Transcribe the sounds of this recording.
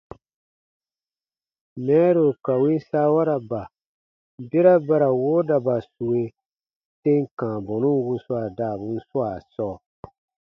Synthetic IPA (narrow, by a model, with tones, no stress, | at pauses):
mɛ˨˦ɾo˨ka˨wi˦n˦saː˦wa˦ɾa˨ba˨ | be˦ɾa˦ba˦ɾa˨woː˦da˨ba˨su˨we˨ | te˦ŋ˨kãː˨bɔ˨nũ˦wu˦su˦a˨daː˦˨bu˦n̩˦su˦a˨sɔː˦˨